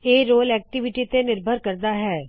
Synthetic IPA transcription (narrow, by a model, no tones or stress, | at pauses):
eːɾoːlɛːk̚ʈɪʋɪʈit̪enɪɾbʱəɾkɐɾd̪aɦɛː